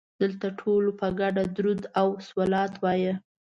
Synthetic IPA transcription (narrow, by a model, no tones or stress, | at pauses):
d̪̥əlt̪aʈʰolopəɡaɖad̪ɾud̪awswəlɑt̪wɑjə